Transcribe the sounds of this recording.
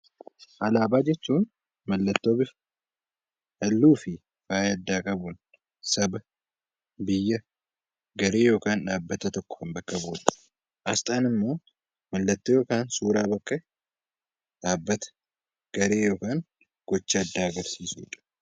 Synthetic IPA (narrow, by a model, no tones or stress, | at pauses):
ʔɐlaːbaːd͡ʒɛt͡ʃːuːn | mɐlːɐt̪ːo̞ːbɪf | hɐlːuːfɪ | faːjɐd̪ːaːkʼɐbʊn | sɐbɐ | bɪjːɐ | ɡɐɾe̞ːjo̞ːkaːnᶑaːbːɐt̪ɐt̪ɔkːɔ̥hɐmbɐkːɐboːᶑɐ̥ | ʔɐst̪ʼaːnɪmːo̞ː | mɐlːɐt̪ːoːjoːkaːnsuːɾaːbɐkːɐ | ᶑaːbːɐt̪ɐ̥ | ɡ̥ɐɾe̞ːjoːkaːn | ɡ̥ɔt͡ʃːɐɐd̪ːaːɐɡɐɾsiːsʊjɪᶑɐ̥